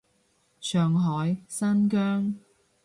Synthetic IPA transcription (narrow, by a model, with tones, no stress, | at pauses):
sœː˨ŋɦɔː˨˥jsɐ˥nkœː˥ŋ